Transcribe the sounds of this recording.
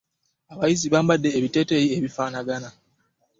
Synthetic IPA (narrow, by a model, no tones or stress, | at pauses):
aβajiziβaːmbadːe̞ːβite̞ːteːjieβifaːnaɡana